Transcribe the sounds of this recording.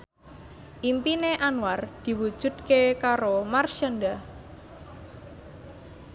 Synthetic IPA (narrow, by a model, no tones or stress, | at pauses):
ʔimpineʔanward̪̥i̤wud̥ʒ̥ṳd̪̥̚kekaɾomarʃanɖa